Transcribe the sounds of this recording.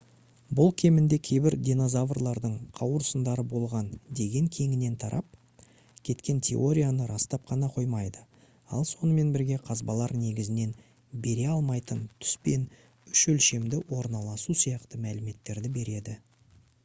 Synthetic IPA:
bʊlˠkʲʰe̞mɪnd̪e̞kʲʰe̞jbɪɾd̪ʲino̞zavrlˠɑɾd̪əɴqʰɑwɾəsənd̪ɑɾəbo̞lˠʁɑnd̪e̞ɡʲe̞ŋkʲʰe̞ŋɪne̞nt̪ʰɑɾʔɑp̚ | kʲʰe̞t̪kʲe̞nt̪ʲʰe̞̰o̞ɾʲijanəɾɑst̪ɑp̚qʰɑnɑqʰo̞jmɑjd̪ə | ɑ̰lˠso̞nəme̞nbɪɾɡʲe̞qʰɑzbɑlˠɑɾne̞ɡʲɪzɪne̞n | be̞ɾe̞ɑlˠmɑjt̪ənt̪ʰʏ̥spe̞n | ʏʃɵlʃe̞md̪ɪwo̞ɾnɑlˠɑsusijɑqt̪əmælɪme̞t̪ːe̞ɾd̪ɪbe̞ɾe̞d̪ɪ

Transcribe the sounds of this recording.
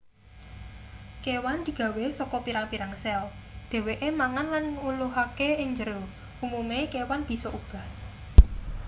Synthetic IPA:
kewand̪̥i̤ɡ̥ä̤wesɔkɔpiɾaŋpiɾaŋsɛl | d̪̥e̤weʔemaŋanlanŋuluɦakeɪŋɲd͡ʒəɾo | umumekewanb̥i̤sɔʔub̥a̤h

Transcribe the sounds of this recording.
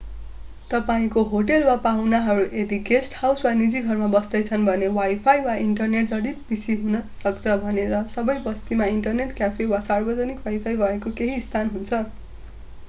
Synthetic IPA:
t̪ʌpaĩkoɦoʈelwapawnaɦʌɾuʔed̪iɡesʈhawswanid͡ziɡʱʌrmabʌsd̪ʌjt͡sʰʌnbʱʌnewajpʰajwaiɳʈʌrneʈ̚d͡zʌɽit̪̚bisiɦunʌsʌkt͡sʰʌbʱʌneɾʌsʌbʌjbʌst̪imaiɳʈʌrneʈkjapʰewasarbʌd͡zʌnikwajpʰajbʱʌekokeɦiːst̪ʰanɦunt͡sʰʌ

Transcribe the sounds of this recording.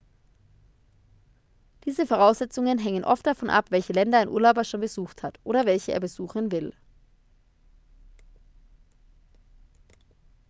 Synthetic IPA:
d̥iːzəfoʁ̞aʊsz̥ɛt͡sʊŋənɦɛŋənʔɔftd̥afɔnʔa̰pv̥ɛlçəlɛndɐaɪnʔṵːɐlaʊbɐʃoːnbəzuːxthatʔoːɾɐvɛlçəʔḛːɐbəzuːxən̩vɪl

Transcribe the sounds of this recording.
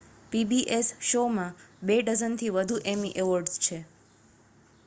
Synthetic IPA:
pibiʔesʃomãbeɖəzənt̪ʰiʋəd̪ʱuʔemiʔeʋəɾɖst͡ʃʰe

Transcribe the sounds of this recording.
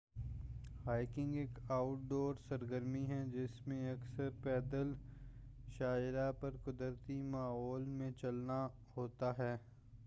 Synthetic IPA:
ɦaːɪkɪ̃ŋɡeːkaːʊʈ̚ɖoːɾsɐɾɡəɾmiɦɛd͡ʒɪsmẽɐksəɾpɛːd̪əl | ʃaːɪɾapɐɾkʊd̪əɾt̪imaːɦɔːlmẽt͡ʃɐlna | ɦoːt̪aɦɛː

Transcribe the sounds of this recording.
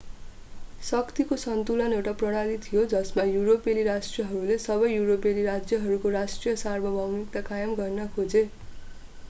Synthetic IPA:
sʌkt̪ikosʌnt̪ulʌnewʈaprʌɽ̃alit̪ʰijod͡zʌsmajuɾopeliɾasʈrijʌɦʌɾulesʌbʌjːuɾopeliɾad͡zjʌɦʌɾukoɾasʈrijʌsarbʱʌbʱʌwnik̚t̪akajʌmɡʌrnʌkʰod͡ze

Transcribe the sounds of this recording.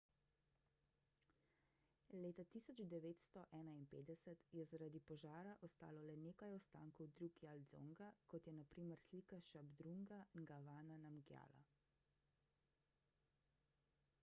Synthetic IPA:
leːt̪at̪iːsɔd͡ʒd̪ɛʋeːt̪st̪ɔʔɛːnainpeːd̪ɛsɛt̪jɛzaɾad̪ipɔʒaːɾaʔɔst̪a̰ːlɔlɛneːkajɔst̪a̰ːŋkɔwd̪ɾuɡjald̪zo̰ŋɡakɔt̪jɛnapɾiːmɛɾsliːkaʃabd̪ɾuŋɡaŋɡaʋaːnanamɡja̰ːla̰

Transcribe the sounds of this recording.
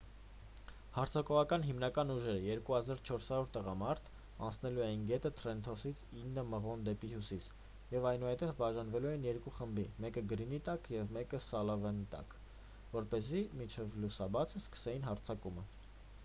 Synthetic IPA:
hɑɾt͡sʰɑkɔʁɑkɑn̪ɦimnɑkɑnuʒɛɾəjɛɾkuhɑzɑɾt͡ʃʰɔɾshɑɾɔɾt̪əʁɑmɑɾt̪ʰ | ɑ̰nt͡sʰnɛluɛjinɡɛt̪ət̪ʰɾɛnt̪ʰɔsit͡sʰinːəməʁɔnd̪ɛpihjusis | jɛvɑjnuhɛt̪ɛvbɑʒɑnvɛluɛinjɛɾkuχəmbimɛkəɡəɾinit̪ɑkjɛvmɛkəsɑlɑvɛnit̪ɑ̰k | vɔɾpɛzimint͡ʃʰɛvlusɑbɑt͡sʰəskə̥sɛjinɦɑɾt͡sʰɑkumə

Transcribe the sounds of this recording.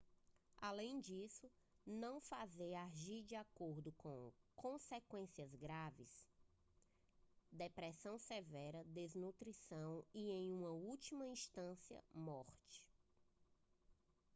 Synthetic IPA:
alẽj̃d͡ʒisʊ | nɐ̃w̃fazejaʒiɾd͡ʒiakoɾd̪ʊkõkõsekwẽsiɐzɡɾavɪ̰s | d̪epɾɛsɐ̃w̃sevɛɾɐd̪eznut̪ɾisɐ̃w̃iẽj̃ũmɐut͡ʃimɐĩst̪ɐ̃siɐ̰mɔɾt͡ʃɪ̥

